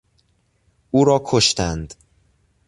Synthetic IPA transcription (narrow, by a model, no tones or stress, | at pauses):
ʔuːɾɒːkʰoʃt̪ænd̪